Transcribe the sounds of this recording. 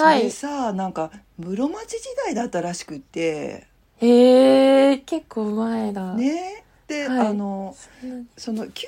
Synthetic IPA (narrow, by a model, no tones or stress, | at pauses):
haiesanãŋka | mɯ̟ɾo̞mat͡ɕiʑid̪aid̪at̪ːaɾaɕi̥kɯ̟t̪ːe̞ | eː | ke̞kːo̞ːɯ̟maed̪ane̞ | d̪̥e̞aano̞ | so̞no̞kʲ